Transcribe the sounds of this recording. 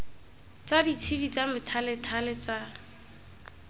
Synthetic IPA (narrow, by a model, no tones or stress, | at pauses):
t͡sadit͡sʰidit͡samɪtʰalɪtʰalɛt͡sa